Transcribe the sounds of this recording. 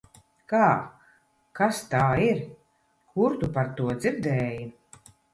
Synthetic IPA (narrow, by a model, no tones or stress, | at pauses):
kaː | kast̪aːiɾ | kuɾt̪upaɾt̪uɔd̪ziɾd̪ɛːji